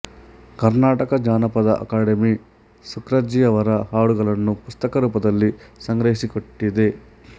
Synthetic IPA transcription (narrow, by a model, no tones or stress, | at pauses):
kɐɾnaːʈɐkɐd͡ʒaːnɐpɐd̪ɐʔɐ̰kaːɽemi | sukɾɐd͡ʒijɐʋɐɾɐhaːɽuɡɐlɐnːupust̪ɐkɐɾuːpɐd̪ɐlːisɐŋɡɾɐɦisikoʈːid̪e